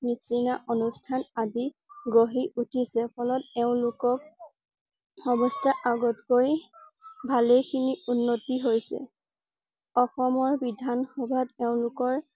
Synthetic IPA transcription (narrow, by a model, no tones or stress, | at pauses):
nisinaʔonustʰanadi | ɡoɦiʔutʰisɛpʰɔlɔtɛʊ̃lʊkɔk̚ | ɔbɔstʰaʔaɡɔtkoj | bʱalekʰiniunːotiɦojsɛ̰ | ɔxɔmɔɹbidʱanxɔbʱadɛʊ̃lʊkɔɹ